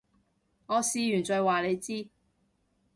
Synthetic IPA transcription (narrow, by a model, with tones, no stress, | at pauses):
ŋɔː˨˧siː˨˧jyː˨˩nt͡ʃɔː˨˧jwaː˨le˨˧jt͡siː˥